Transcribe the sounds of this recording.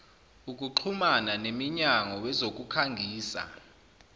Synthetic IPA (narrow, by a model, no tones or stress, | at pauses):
uk̬ʼuǃʰumananemiɲaŋɔwɛzok̬ʼukʰaŋɡʱiːsa̰